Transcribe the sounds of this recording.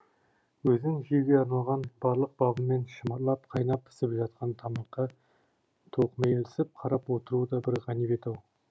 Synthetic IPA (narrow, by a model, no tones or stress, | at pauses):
wɵzɪŋʒiɡʲeɑɾnɑlˠʁɑnbɑɾlˠəq̚bɑbəme̞nʃəmɑɾlˠɑp̚qʰɑjnɑpɪ̥sɪpʒɑt̪̚qɑnt̪ʰɑmɑqːɑ | t̪ʰoqmejelɪsɪp̚qʰɑɾɑpwot̪əɾud̪ɑbɪɾʁɑnibet̪ɑw